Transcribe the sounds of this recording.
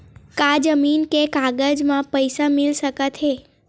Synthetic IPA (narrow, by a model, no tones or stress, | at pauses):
kad͡ʒəminkekaɡəd͡ʒmãpəjsamilʃəkət̪ʰe